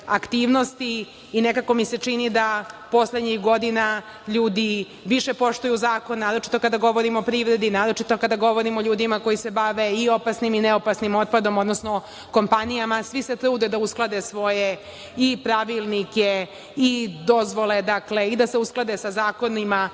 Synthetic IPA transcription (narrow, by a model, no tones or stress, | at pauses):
akt̪iːʋno̞st̪iː | nekako̞mise̞t͡ʃinid̪apo̞sled̪ɲixɡo̞d̪ina | ʎuːd̪i | ʋiʃe̞po̞ʃt̪ujuzaːko̞nːaːɾo̞t͡ʃi̥t̪o̞kad̪aɡo̞ʋo̞ɾimoopɾiʋɾe̞d̪inaːɾo̞t͡ʃit̪o̞kad̪aɡo̞ʋo̞ɾimoʎuːd̪imako̞jise̞baʋe̞io̞pasnimineopasnimo̞t̪̚pad̪o̞mo̞d̪nosno | ko̞mpanijamasʋise̞t̪ɾuːd̪ed̪ausklˠad̪esʋo̞je | ipɾaʋilˠnike | id̪o̞zʋo̞led̪akle̞id̪ase̞usklˠad̪esazaːko̞nima